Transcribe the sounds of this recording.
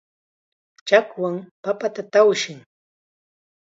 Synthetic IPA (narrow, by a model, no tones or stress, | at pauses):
t͡ʃakwaŋpapat̪at̪awʃɪŋ